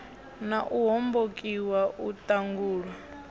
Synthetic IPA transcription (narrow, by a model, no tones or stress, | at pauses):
naʔuɦɔmbokʼiwaʔutʼaŋɡuːɺwa